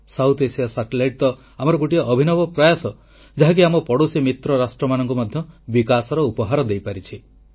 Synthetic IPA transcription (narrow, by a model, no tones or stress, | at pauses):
sawt̪ʰesiasaʈelajʈ̚t̪ɔ | amɔɾɔɡuʈiɔʔːbʱinɔbɔpɾɔjasɔ | d͡ʒaɦak̬iamɔpɔɽosimit̪ɾɔɾasʈɾɔmanɔŋkumɔd̪ʱjɔbikasɔɾɔupɔɦaɾɔd̪ejpaɾit͡ʃʰi